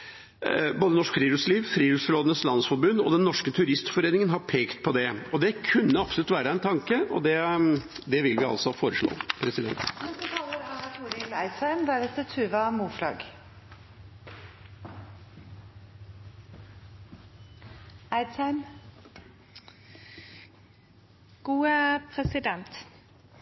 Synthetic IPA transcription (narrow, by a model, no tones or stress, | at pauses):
boːd̪ənɔʂkfɾiːɾʉsliːʋfɾiːɾʉːsɾoːd̪nəslɑnsfɔɾbʉnːɔ̰d̪ɛnːɔʂkət̪ʰʉɾɪst̪fɔɾeːnɪŋənɦɑɾpʰeːkt̪pʰɔd̪ɛɔd̪ɛkʰʉnːəɑpsɔlʉt̪ʋæːɾəæɛnt̪ʰɑŋkəɔ̰d̪ɛd̪ɛʋɪlʋɪɑ̰lsɔfoːɾəʂɭo̰ːpʰɾɛsɪd̪ɛ̰nt̪nɛt̪ət̪ʰɑːləɾɑnɑt̪ʰuːɾɪlæɪsɑɪmd̪æɾɛt̪ʰət̪ʰʉːʋɑmuːflɑ̰ːɡ | æɪd̪sɑɪm | ɡ̥uːəpʰɾɛsɪd̪ɛnt̪